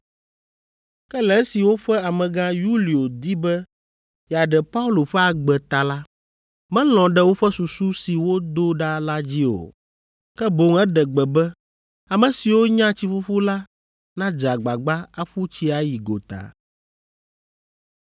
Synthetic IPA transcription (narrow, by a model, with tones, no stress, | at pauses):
kɛ˦lɛ˨˦si˨wo˦ɸɛ˦a˨mɛ̃˨ɡã˦ju˦li˨o˨d̪i˦bɛ˦ | ja˨ɖɛ˨pa˦u˦lo˨ɸɛ˦a˨ɡ͡bɛ˨t̪a˨la˦ | mɛ̃˦l̃ɔ̃˨ɖɛ˦wo˦ɸɛ˦su˨su˦si˨wo˦d̪o˦ɖa˦la˦d͡ʑi˦o̰˨ | kɛ˦bo˨ŋɛ˦ɖɛ˨ɡ͡bɛ˨bɛ˦ | a˨mɛ̃˨si˨wo˦ɲã˦t͡ɕi˦ɸu˦ɸu˦la˦ | nã˦d͡ʒa˨ɡ͡ba˨ɡ͡ba˦a˦ɸu˦t͡ɕi˦a˦ji˨ɡo̰˨t̪a̰˨